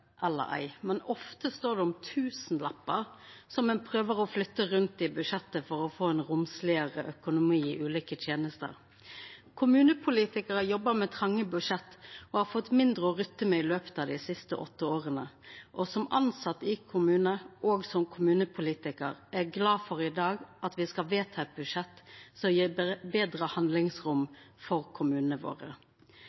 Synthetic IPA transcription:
ʔɛlːə̰ʔæ̰ɪmɛnɔft̪əst̪oːd̪ɛɔmt̪ʰʉːsn̩lɑpːəɾsɔmɛnpʰɾøːʋəɾɔflʏt̪ːəɾʉnt̪̚d̪ɪbʉʂɛt̪ːəfɔɾɔfoːɛnʁʊmslɪəʁəʔœkʊnʊmiːɪʔʉːliːkət̪ʰjeːnəst̪ə̰ɾ | kʰʊmʉːnəpʰʊliːt̪ɪkəʁəjɔbːəɾmɛt̪ʰʁɑŋːəbʉʂɛt̪ːɔhɑɾfɔt̪ːmɪnd̪ʁəɔʁʏt̪ːəmɛɪløːpə̥t̪ɑːd̪ɪsɪst̪əʔɔ̰t̪ːəoːʁənəʔɔsɔmɑ̰nsɑt̪ːɪkʰʊmʉːnəʔoːɡsɔmkʰʊmʉːnəpʰʊliːt̪ɪkə̰ɾæʁɡlɑːfɔʁɪd̪ɑːɡʔɑt̪ʋɪskɑʋeːt̪ʰɑɛt̪̚bʉdʂɛt̪ːsɔmjiːbeːd̪ʁəhɑnd̪lɪŋsʁʊmfɔʁkʰʊmʉːnəʋo̰ːʁə̰

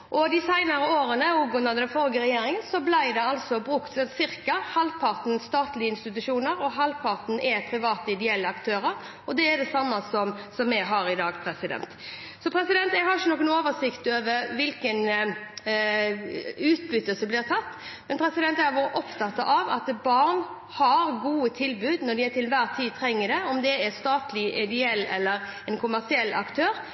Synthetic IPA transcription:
ʔɔd̪ɪsæɪnɑɾəoːɾənəuɡʉnːɑd̪d̪ɛnfɔlɡəɾɛjeːɾɪŋənsɔblæɪd̪ɛɑlsɔbɾʉkt̪sɛnt̪sɪɾkɑhɑlpʰɑɾt̪n̩st̪ɑːt̪lɪəɪnst̪ɪt̪ʉʂuːnəɾɔɦɑlpʰɑʁt̪n̩ʔɛpʰɾɪʋɑːt̪əɪd̪ɛɛlːəɑkt̪ʰøːɾəɾ | ɔd̪ɛːd̪ɛsɑmːɑsɔmsɔmːɛɡɦɑːɾɪd̪ɑːɡpʰɾɛsɪd̪ɛ̰nt̪ | sɔpʰɾɛsɪd̪ɛnt̪ɛɡhɑɾɪçənɔkənoːʋəsɪkt̪øːʋəɾʋɪlkən | ʉːt̪bʏt̪ːəlsəblɪːɾʁt̪ʰɑt̪ː | mɛnpʰɾɛsɪd̪ɛnt̪æʋoːɾəʔɔpt̪ʰɑt̪ːɑ̰ʔɑʋɑt̪bɑɾn | hɑɾɡuːət̪ʰɪlbʉːd̪nɔɖ̪ɪæt̪ɪlʋæːɾt̪ʰiːt̪ʰɾɛŋːəd̪ɛɔmd̪ɛɛst̪ɑːt̪lɪʔɪd̪ɛɛlːɛ̰lːəɾ | ɛnkʰʊmæʁsɪɛlːɑ̰kt̪ʰøːɾ

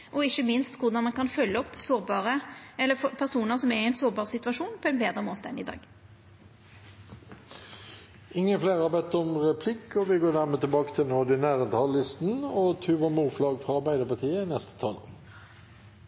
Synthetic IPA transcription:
ʔɔɪçːəmɪnst̪kʊʁd̪ɑnmɑnkɑnfœlːəɔpːsoːʁbɑːʁəɛlːəfɔpʰæʁsuːnəʁsɔmɛɛɪnsoːʁbɑːʁsɪt̪ʉʋɑʂuːnpʰɔɛnbeːd̪ɾəmoːt̪əɛnɪd̪ɑ̰ːɡ̥ | ɪŋːənfleːʁəhɑːbɛt̪ːɔmʁɛpʰlɪkːɔʋɪɡoːnæːʁmeːt̪ɪlbɑːkə̥t̪ʰɪlnoːd̪ɪnæːʁənt̪ʰɑlːɪst̪n̩ɔt̪ʰʉːʋɑmuːflɑːɡfʁɑɑɾbæɪd̪əpɑt̪ʰiːəɪnɛst̪ə̥t̪ʰɑːlo̰ː

